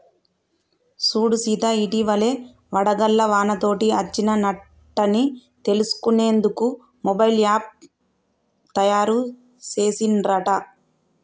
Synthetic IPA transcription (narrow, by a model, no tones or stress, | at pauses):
suːɽusiːt̪ɐiʈiʋɐle̞ː | ʋɐɽɐɡɐlːɐʋaːnɐt̪o̞ːʈiɐt͡ʃːinɐnɐ | ʈːɐnit̪e̞lusu̥kuneːnd̪uku | mɔbɐjljaːp̚ | t̪ɐjaːɾu | t͡ʃe̞ːsinɾɐʈɐ